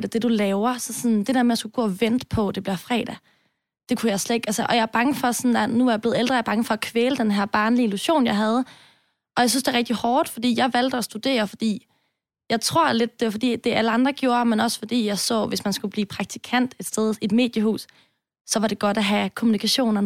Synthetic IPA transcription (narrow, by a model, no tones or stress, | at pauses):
d̥æd̥e̝d̥ulɛːʊɐsɒ̽sɒ̽nd̥e̝d̥æɐmejɑsɡ̥uɡ̥ɔ̰̽ːɒʋen̰d̥pʰɒ̽d̥e̝b̥liɐfʁɛ̰ːd̥æ | d̥e̝kʰujɑ̈ɪsled̥eɡ̥ælsəʔɒ̽jɑ̈æɐb̥ɑ̈ŋəfɒ̽sɒnænuɑ̈jɑble̝ð̩ˠeld̥ɐjɑb̥ɑ̈ŋəfɒ̽ækʰʋeːləd̥enɦæɐ̰b̥ɑ̈ːnliiluɕo̝̰ːnjɑɪɦæð̞ˠə | ʔɒ̽jɑɪsynsd̥e̝ɐʁɛɡ̥̚d̥ihɒːd̥fɒ̽d̥ḭːjɑ̈ɪʋæl̰d̥əæsd̥ud̥e̝̰ːɐfɒ̽d̥ḭː | jɑ̈ɪt͡sʰʁo̝ɐ̰le̝d̥̚ːe̝fɒ̽d̥ḭːd̥e̝ʔæləɑ̈nd̥ʁɐɡ̥jo̝ːɐmenɒ̽sə̥fɒ̽d̥ḭːjɑ̈ɪsɒ̰̽ːʋe̝smænsɡ̥ub̥liːpʰʁɑ̈ɡ̥̚t͡sʰi̥kʰæn̰d̥e̝d̥sd̥eð̞ˠid̥me̝̰ːd̥jəhṵːsː | ɒ̽ʋɑ̈ɾe̝ɡ̥ɒ̽ɾ̥æɦækʰo̝munikʰæɕo̝̰ːnɐ